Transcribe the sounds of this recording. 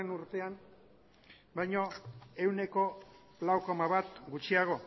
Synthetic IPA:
enuɾt̪e̞am | bajɲo̞e̞wne̞ko̞ | lawko̞maβat̪ɡut͡ʃiaɣ̞o̞

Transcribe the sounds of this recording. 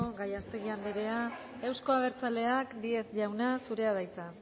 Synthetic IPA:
ɡajast̪e̞ɣ̞iand̪iɾe̞a | e̞wsko̞aβ̞e̞ɾt͡sale̞akd̪ie̞sʝawnasuɾe̞aðajt͡sa

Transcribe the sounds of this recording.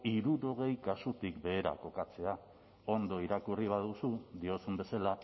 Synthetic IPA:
iɾuɾo̞ɣ̞e̞jkasut̪ikbe̞ːɾa̰ko̞kat͡se̞a | o̞nd̪o̞iɾakuriβ̞að̞usuðio̞sumbe̞sala

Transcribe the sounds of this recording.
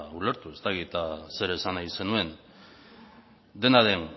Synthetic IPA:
ule̞ɾt̪ue̞st̪akit̪ase̞ɾe̞sanajse̞nue̞n | d̪e̞naðe̞n

